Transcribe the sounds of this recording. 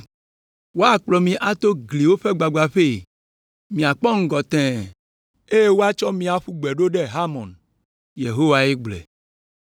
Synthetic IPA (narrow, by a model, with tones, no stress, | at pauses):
wo˦a˦˨k͡plɔ˨mĩ˦ʔa˨t̪o˦ɡli˨wo˦ɸe˦ɡ͡ba˨ɡ͡ba˨ɸe˦˨ | mĩ˨a˨k͡pɔ˦ŋ̩˦ɡɔ˨t̪ɛ̃˨ | e˦je˦wo˦a˦t͡ʃɔ˦mĩ˦a˨ɸu˦ɡ͡bɛ˨ɖo˦ɖe˦ɦa˦mɔ̃˨n | je˨ɦo˦wa˨e˦ɡ͡blɛ̰˨